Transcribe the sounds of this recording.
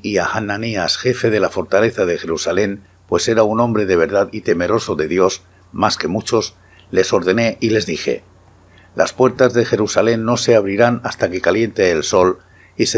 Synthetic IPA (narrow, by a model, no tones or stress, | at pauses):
iaxananiasxe̞fe̞ðe̞lafo̞ɾt̪aleθað̞e̞xe̞ɾusale̞m | pwe̞se̞ɾaunõ̞mbɾe̞ðe̞β̞e̞ɾð̞aðit̪e̞me̞ɾo̞so̞ðe̞ðjo̞s | maske̞mut͡ʃo̞s | le̞so̞ɾðe̞ne̞ʔile̞zðixe̞̰ | lʔa̰spwe̞ɾt̪azðe̞xe̞ɾusale̞nːo̞se̞aβ̞ɾiɾanast̪ake̞kalje̞nt̪eːlso̞l | ise